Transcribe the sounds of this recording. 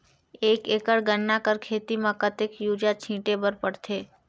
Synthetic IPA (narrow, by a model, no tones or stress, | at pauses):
ekekəɽɡəɳːakəɾkʰeːt̪imãkət̪ekjud͡ʒat͡ʃʰĩʈebəɾpəɽt̪ʰe